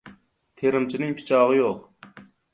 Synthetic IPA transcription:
t̪ʰeɾɪmt͡ʃʰinɪŋpʰɪ̥t͡ʃʰɑːʁɨjoq

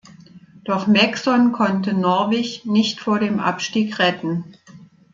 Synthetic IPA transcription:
d̥ɔχmɛksɔnkʰɔntənɔɐveːçnɪçtfoːɐɾeːmʔa̰pʃtiːkʁɛtn̩

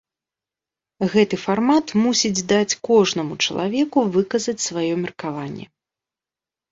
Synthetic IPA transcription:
ɣɛt̪ɨfarmat̪musʲid͡zʲd̪at͡sʲkɔʐnɐmut͡ʂɐlˠa̰vʲɛkuvɨkɐzɐt͡sʲsvajɔmʲɛrkavanʲːɛ̰

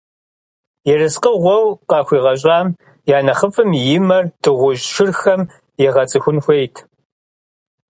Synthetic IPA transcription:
jɛrɨsqəʁʷɔwqɑːxʷiːʁɐɕ̬ʼɑːm | jaːnɐχəfʼɨmjɪmɐrtʰʼɨʁʷʊʒʃɪrxɐm | jɛʁɐt͡sʼɨxʷʊnxʷejtʰ

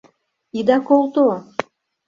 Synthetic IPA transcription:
id̪ɑkolˠt̪o

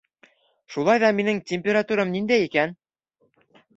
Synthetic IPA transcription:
ʃulˠɑjðɑminɘ̆ŋtʲemʲpʲeɾɑt̪uɾɤmnind̪æikæn

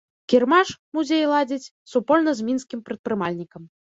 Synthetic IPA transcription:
kʲirmaʂmuzʲejlˠad͡zʲit͡sʲ | supɔlʲnɐzʲmʲinskʲimpɾɨt̪̚pɾɨmalʲnʲikɐm

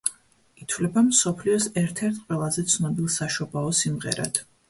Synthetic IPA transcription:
it̪ʰvlɛbamsɔpʰliɔsɛɾt̪ʰɛɾt̪ʰqʼwɛlˠazɛt̪sʰnɔbilˠsaʃɔbaɔsimʁɛ̰ɾa̰d̪̥ʰ

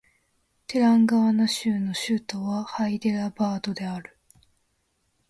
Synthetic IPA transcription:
t̪eɾãŋɡaβanaɕɨːno̞ɕɨt̪o̞βahaid̪e̞ɾabaːd̪o̞d̪e̞aɾɯ̟

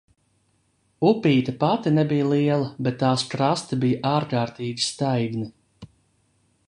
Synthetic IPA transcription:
upiːt̪ɐpat̪ʲinɛbijlˠiɛlˠɐbɛt̪ːaːskɾast̪ɐbijaʔaːɾkaːɾt̪iːɡʲi̥st̪ajɡni

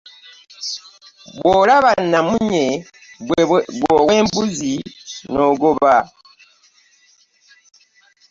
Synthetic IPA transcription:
bwolaβanamuɲe | bwowembuzinoɡoβa

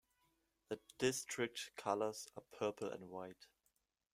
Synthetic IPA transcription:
ðəd̥ɪstʰɹ̥ɪk̚tkʰalə˞z̥apʰɜːpʰl̩ˠæ̰̃ndwaɪt

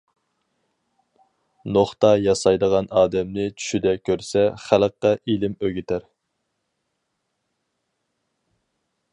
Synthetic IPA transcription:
noχt̪ɑjɑsɑjd̪əʁɑnɑːd̪ɛmnɪt͡ʃʰy̥ʃyd̪ɛkʲʰøɾsɛχæləqːɑʔilɪmøɡʲɪt̪ʰæɾ

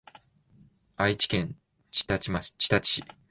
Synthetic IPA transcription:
ait͡ɕi̥kẽ̞n | t͡ɕi̥t̪at͡ɕimat͡ɕi̥t̪at͡ɕi̥i

